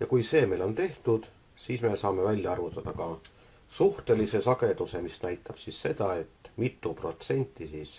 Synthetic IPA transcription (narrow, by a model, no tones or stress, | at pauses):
jɑkujse̞ːme̞jlo̞nt̪e̞ht̪ud̪̥ | siːsme̞sɑːme̞vælʲjɑɑrvut̪ˑːɑd̪̥ɑkɑ | suht̪e̞lise̞sɑɡ̥e̞d̪use̞misnæjt̪ʰːˑɑb̥sisse̞d̪̥ɑe̞t̪ːˑmit̪ːˑupro̞̰t̪se̞nʲt̪ːˑisiːs